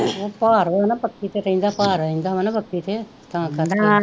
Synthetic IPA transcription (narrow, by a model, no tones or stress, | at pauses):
ʋoːpaːɾʋanapəkːit̪ʰeɾɐĩːnd̪aːpaːɾəɦĩːn̆d̪aːʋanãpəkːit̪ʰe | t̪aãkat̪